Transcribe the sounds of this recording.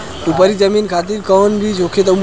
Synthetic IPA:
upəɾid͡ʒəminkʰat̪̬iɾkənbʱit͡ʃokʰet̪̬əm

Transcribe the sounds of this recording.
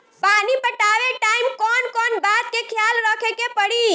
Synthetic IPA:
panipəʈaʋeʈaimkɔnkɔnbad̪̚kekʰjalɾɔkʰekepəɽi

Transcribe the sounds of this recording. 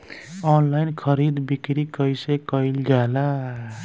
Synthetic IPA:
ɔnlajnkʰʌɾid̪bikɾikʌjsekʌjld͡ʒala

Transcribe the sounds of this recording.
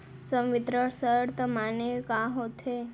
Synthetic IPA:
səmʋɪt̪ɾəsəɾt̪əmanekaɦot̪ʰe

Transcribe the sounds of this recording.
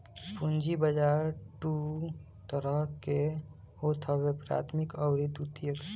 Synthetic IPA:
pund͡ʒibəd͡ʒaːɾʈu | t̪əɾəɦke | hot̪ʰəbepɾa̰t̪ʰmikɔʊɾid̪ut̪ijək

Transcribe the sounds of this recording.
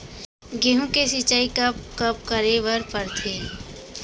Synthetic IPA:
ɡeːɦũkesit͡ʃaːikɐp̚kɐp̚kəɾeʋəɾpəɾt̪ʰeː

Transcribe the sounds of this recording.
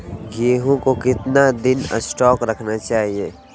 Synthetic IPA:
ɡeːɦõkokɪt̪nad̪ɪnə̰sʈɔːkɾɐkʰnat͡ʃaːɦieː

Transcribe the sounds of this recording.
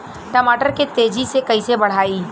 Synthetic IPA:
ʈɐmaːʈəɾket̪eːd͡ʒisekɐisebɐɽ̤aːiː

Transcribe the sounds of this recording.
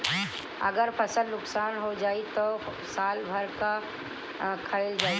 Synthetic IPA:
ə̰ɡəɾpʰəsəlnʊksaːnɦod͡ʒaːit̪o | saːlbʱəɾka | kʰəeld͡ʒaːi

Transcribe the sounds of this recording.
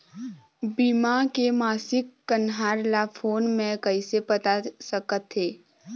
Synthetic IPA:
biːmakemaːsɪkːənɦaːɾlafʰoːnmẽkəɪsepət̪asəkət̪ɦeː

